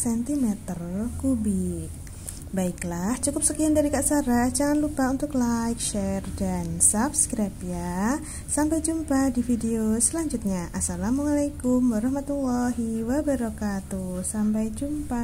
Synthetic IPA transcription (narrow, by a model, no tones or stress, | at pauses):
sɛnt̪imɛt̪ərkubik̚ | baiklaht͡ʃukʊp̚səkiandaɾikaʔsaɾat͡ʃaŋanlupaunt̪ʊklajkʃɛrdansabskɾapja | sampajd͡ʒumpadifideosəlaɲd͡ʒut̪̚ɲaʔasalamualajkʊmwaɾɑhmat̪ulːɔɦiwabaɾɔkat̪usampajd͡ʒumpa